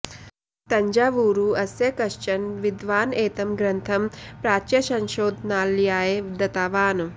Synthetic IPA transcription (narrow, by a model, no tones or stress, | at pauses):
t̪ɐɲd͡ʒaːʋuːɾuːɐsjɐkɐʃt͡ʃɐnʋid̪ʋaːneːt̪ɐmɡɾɐnt̪ʰɐmpɾaːt͡ʃjɐsɐ̃ŋʃoːd̪ʱnaːlːijaːjeːd̪ɐt̪aːʋaːn